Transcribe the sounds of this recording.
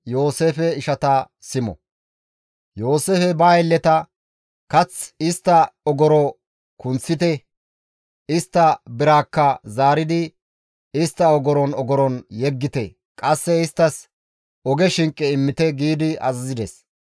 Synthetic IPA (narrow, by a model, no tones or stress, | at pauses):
jo̞ːseːfɛɪʃɐt̪ɐ | sɪmɔ̰ | jo̞ːse̞ːfɛbaːjɛlːɛt̪ɐ | kɐt͡sɪst̪ːɐɔɡɔɾɔ | kʊnt͡sːɪt̪ɛ | ɪst̪ːɐbɪɾaːkːɐzaːɾɪd̪ɪ | ɪst̪ːɐɔɡɔɾɔnɔɡɔɾɔnjɛɡːɪt̪ɛ | kʼɐsːɛɪst̪ːɐs | ɔɡɛʃɪŋkʼːɛɪmːɪt̪ɛɡiːd̪ɪɐ̰zɐzɪd̪ɛs